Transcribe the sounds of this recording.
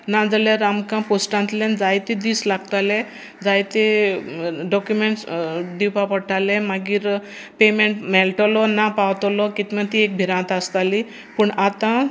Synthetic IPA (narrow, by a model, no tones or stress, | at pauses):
nãd͡zaleɾamkãposʈãnt̪lẽnd͡zajt̪id̪iːslaɡt̪alẽ | d͡zajt̪e | ɖɔkjumeɳʈsɖiwpapəɽʈʰalemaɡiːɾ | pemeɳʈmɛlʈɔlɔnapawt̪ɔlɔkit̪mãt̪iek̚bʱiɾãnt̪ast̪ali | puɳat̪ã